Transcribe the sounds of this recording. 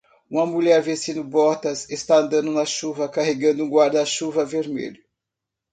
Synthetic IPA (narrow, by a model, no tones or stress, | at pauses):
ũmɐmuʎɛɾvesĩnʊbɔɾt̪ɐsest̪aɐ̃nd̪ɐ̃nd̪ʊnɐʃuvɐkaɦeɡɐ̃nd̪ʊũɡwaɾd̪ɐːʃuvɐveɾmḛʎʊ